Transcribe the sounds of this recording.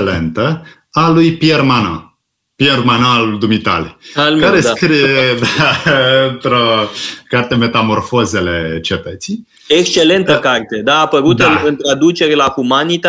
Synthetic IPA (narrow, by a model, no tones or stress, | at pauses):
lent̪ə | alujpiermanã̰ | piermanaalud̪umit̪a̰lalkaɾeskɾijed̪aɨnt̪ɾokart̪e̞me̞t̪amo̞rfozealet͡ʃet̪ət̪sij | ekst͡ʃe̞le̞nt̪əkart̪e̞d̪aːpəɾut̪ɨnt̪ɾad̪ut͡ʃe̞ɾelahumanit̪a